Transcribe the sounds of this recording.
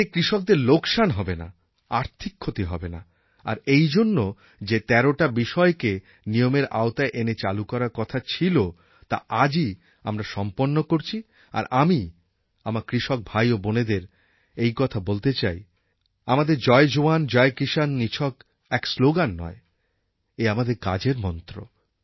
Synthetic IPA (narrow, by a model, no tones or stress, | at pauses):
ekɾiʃok̚d̪eɾlokʃanɦɔbena̰ | aɾt̪ʰikʰːot̪iɦɔ̰bena̰ | a̰ɾejd͡ʑonːo | d͡ʑet̪ɛɾoʈabiʃɔeke | nijomeɾa̰ot̪aeʔenet͡ɕalukɔɾaɾkɔt̪ʰat͡ɕʰilo | t̪a̰ʔad͡ʑi | a̰mɾaʃɔmponːokoɾt͡ɕʰi | a̰ɾʔami | amaɾkɾiʃok̚bʱajoboned̪eɾ | ejkɔt̪ʰabolt̪et͡ɕaj | amad̪eɾd͡ʑɔed͡ʑoand͡ʑɔekiʃanːit͡ɕʰɔk | ɛksloɡanːɔ̰e | eamad̪eɾka̰d͡ʑeɾmɔnt̪ɾo̰